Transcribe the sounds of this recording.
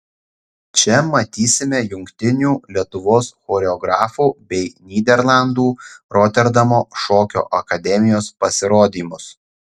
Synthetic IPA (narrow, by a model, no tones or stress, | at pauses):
t͡ʃʲɛmɐt̪ʲiːsʲɪmʲɛjʊŋʲkt̪ʲɪnʲuːlʲiɛt̪ʊʋoːsxoːɾʲɛɔɡɾɑːfuːbʲɛɪnʲiːd̪ʲɛɾlˠɐnd̪uːɾoːt̪ʲɛɾd̪ɐmoːʃoːkʲo̰ːʔɐkɐd̪ʲɛmʲɪjoːspɐsʲɪɾoːd̪ʲiːmʊs